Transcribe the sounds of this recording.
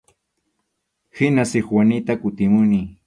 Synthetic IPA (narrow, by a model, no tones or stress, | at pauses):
hɪnasɪxwanɪt̪akʊt̪ɪmʊni